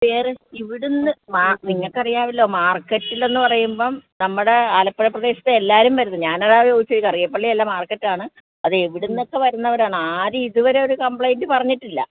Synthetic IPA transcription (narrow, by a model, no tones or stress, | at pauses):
peːrɨiʋiɽunːɨmaniŋːɐɭkɐrijaːʋilːo̞ːmaːrkːɐʈːilːe̞nːɨpɐrɐjumbo̞ːnɐmːuɽe̞aːlɐpːɐɭɐprɐðeːɕɐ̥t̪ːeelːaːɾumʋɐɾunːɨɲaːnɐɽaːʋɐjoːɡit͡ɕːuikɐrijɐpːɐɭːielːamaːrkːɐʈːiaːɳɨ | ɐðɨeʋiɽunːo̞kːe̞ʋɐɾunːɐʋɐɾaːɳɨaːɾuiðuʋɐɾe̞o̞ɾukɐmpɭɐjndɨpɐrɐɲːiʈːilːɐ̰